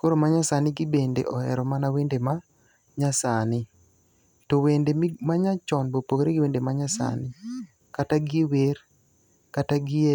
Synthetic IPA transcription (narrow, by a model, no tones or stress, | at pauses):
koɾomaɲasanɪɡɪbendḛʔɔɛ̰ɾɔmanawendema | ɲasanɪ | towendemaɲat͡ʃɔnbopokɾeɡɪwendemaɲasa̰nɪ | kataɡɪwer | kataɡɪ